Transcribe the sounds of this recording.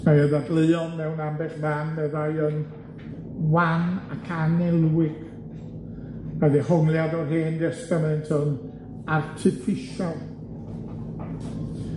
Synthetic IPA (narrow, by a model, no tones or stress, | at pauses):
maəðadlˠɨːɔnmɛwnambɛχmanmɛðajən | wanakʰanɛlˠwɪɡ̥ | maðihɔŋlˠjadɔrɦeːndɛstamaɛntʰən | artʰɪfɪʃalˠ